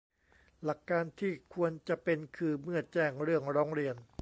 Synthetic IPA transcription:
la˨˩kːaː˧nt̪ʰiː˥˩kʰu˧ənt͡ɕa˨˩pe˧nkʰɯː˧mɯ˥˩ət̪̚t͡ɕɛː˥˩ŋɾɯ˥˩əŋɾɔː˦˥ŋɾi˧ən

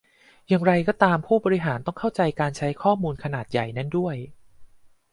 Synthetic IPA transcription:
jaː˨˩ŋɾa˧jkɔː˥˩t̪aː˧mpʰuː˥˩bɔː˧ɾi˦˥ɦaː˩˦nt̪ɔ˥˩ŋkʰa˥˩wt͡ɕa˧jkaː˧nt͡ɕʰa˦˥jkʰɔː˥˩muː˧nkʰa˧naː˨˩t̪̚ja˨˩jna˦˥ndu˥˩əj

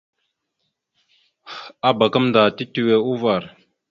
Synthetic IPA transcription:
a˦ba˨kə˦mndaː˨ti˦ti˦we˦u˦va˨ɾ

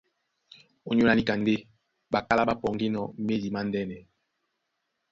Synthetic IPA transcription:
o˨ɲo˦a˨li˦ka˨nde˦ | ba˨ka˦la˦ba˦pɔ˨ŋɡe˦nɔ˨me˦li˨ma˦ndɛ˦nɛ˨

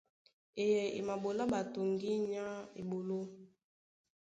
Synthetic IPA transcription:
e˨jɛ˨ḛ˨ma˨bo˨la˦ba˨to˨ŋɡi˦ɲa˦ḛ˨bo˨lo˦

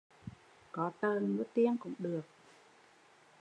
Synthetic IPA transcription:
kɔ˨˦t̪əː˧˩nmu˨˦˥t̪i˧˩əŋkʊ̰˧˥ŋ͡mɗɨ˨˩ək̚

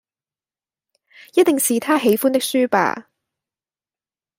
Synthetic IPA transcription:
jɐ˥t̪̚ːɪ˨ŋsiː˨t̪ʰaː˥ɦe˨˥jfuː˥nt̪̬ɪ˥k̚syː˥pa̰ː˧˩

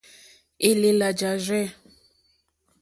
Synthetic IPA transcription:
e˦le˨la˨d͡ʒa˨ʒɛ˦

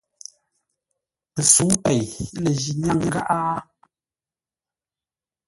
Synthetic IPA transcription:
pə˨su˨˦ŋpɛ˨jle˨ʒi˨nja˦˨ŋŋ˨ɡa̰˦ʔa˦

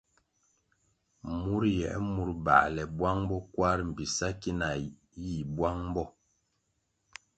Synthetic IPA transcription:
mu˦ɾjɛ̰˨ʔmu˨ɾba̰˨lɛ˨bwa˦ŋbɔ˦kwa˦ɾm̩˨bi˨sa˦ki˦na˨ | ji˦˨bwa˦ŋm˦bɔ˦

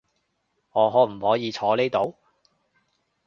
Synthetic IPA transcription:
ŋɔː˨˧ɦɔː˨˥m̩˨˩hɔː˨˥jiː˨˧t͡ʃʰɔː˨˧le˥jt̪o˨˧˥w

